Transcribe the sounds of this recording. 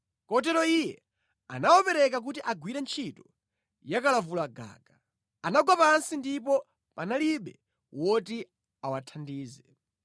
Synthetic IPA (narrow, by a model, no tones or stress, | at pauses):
kɔt̬ɛɾɔijɛ | anawɔpɛɾɛkak̬utiʔaɡwiɾɛnt͡ʃʰitɔ̥ | jakalavulaɡa̰ːɡa | anaɡwapansindip̬ɔ | panaliɓɛ | wɔti | awatʰandiːzɛ